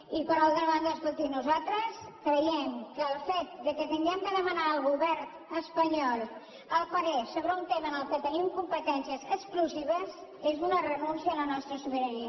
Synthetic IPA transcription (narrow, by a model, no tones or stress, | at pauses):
ipəɾalˠt̪ɾəβand̪əskulˠt̪inuzalˠt̪ɾəskɾəjɛmkəːlˠfet̪̚d̪əkət̪əŋɡɛmd̪əðəmənaəlˠɣuβɛɾt̪əspəɲɔlˠ | əlˠfəɾesoβɾəunt̪eməːnəlˠkət̪ənimkumpət̪ɛnsiəzəskluziβəzezunərənunsjələnɔst̪ɾəsuβiɾəɾiə